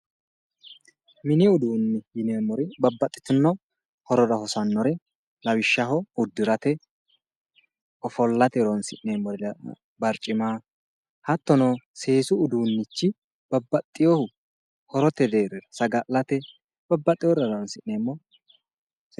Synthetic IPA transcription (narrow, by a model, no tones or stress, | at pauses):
mɪnɪʊd̪uːnːɪjɪneːmːɔɾɪbɐbːɐt̪ʼːɪ̥t̪ʊnːɔ | hɔɾɔɾɐhɔsɐnːɔɾɛ | lɐwɪʃːɐɦɔʊd̪ːɪɾɐt̪ɛ | ɔfɔlːɐt̪ɛɾonsɪʔneːmːɔɾ | bɐɾt͡ʃʼːɪmaː | hɐt̪ːɔnoːseːsʊːd̪uːnːɪt͡ʃːɪ | b̥ɐbːɐt̪ʼːɪjɔhʊ | hɔɾɔt̪ɛd̪eːɾɛɾɐsɐɡɐlːɐt̪ɛ | b̥ɐbːɐt̪ʼːɪjɔɾɐɾonsɪʔneːmːɔ